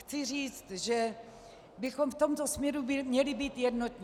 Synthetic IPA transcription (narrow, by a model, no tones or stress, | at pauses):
xt͡sɪr̝iːt͡st̪ʒɛ | bɪxo̞mft̪o̞mt̪osmɲɛɾubɪmɲɛlɪbiːt̪jɛdnot̪ɲi